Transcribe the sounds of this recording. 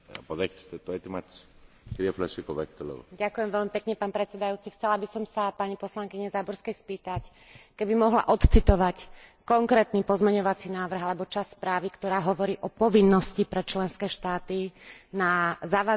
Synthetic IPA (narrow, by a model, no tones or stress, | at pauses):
poðɛkst̪ɛt̪ɔɛt̪imat̪s | kiɾiɛflɛsikoʋɛkt̪olɛ̰ɣo̰ɟakujɛmʋɛlmipɛkɲɛpaːnpɾɛt̪sɛd̪ajuːt͡sixt͡sɛlabisɔmsapaɲipɔslaŋkiɲɛzabɔɾskɛjspiːt̪ac | kɛbimɔɦla̰ʔɔt̪t͡sit̪ɔʋackɔŋkɾɛːt̪nipɔzmɛɲɔʋat͡sinaːʋr̩ɦalɛbɔt͡ʃasspɾaːʋikt̪ɔɾaːɦɔʋɔɾiːʔɔpɔʋinːɔscipɾɛt͡ʃlɛnskɛːʃt̪aːt̪inazaʋa